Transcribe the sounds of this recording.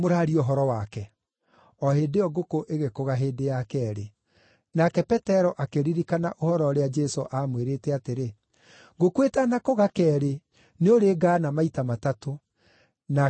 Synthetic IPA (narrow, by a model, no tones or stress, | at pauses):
moɾaːɾioɦɔɾɔwakɛ | ɔɦeːdeɔɣokoʔeɣekoɣaɦeːdejakɛːɾe | nakɛpɛtɛɾɔʔakeɾiɾikanaʔohɔɾɔɾead͡ʒɛsoʔamweɾeːtɛateɾe | ɣokwetanakoɣakɛɾe | neoɾeːɡaːnamaitamatato | na